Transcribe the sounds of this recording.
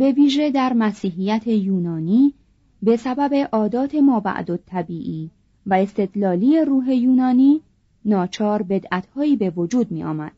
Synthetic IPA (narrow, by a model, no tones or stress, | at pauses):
be̞viːʒed̪æɾmæsiːɦijæt̪ʰe̞juːnɒːniː | be̞sæbæbe̞ʔɒːd̪ɒːt̪ʰe̞mɒːbæ̰ʔd̪o̞t̪ʰːæbiːʔiː | væe̞st̪e̞d̪lɒːliːje̞ɾuːɦe̞juːnɒːniː | nɒːt͡ʃʰɒːɾbe̞d̪ʔæt̪hɒːiːbe̞vo̞d͡ʒuːd̪̚miːʔɒ̰ːmæ̰d̪̥̚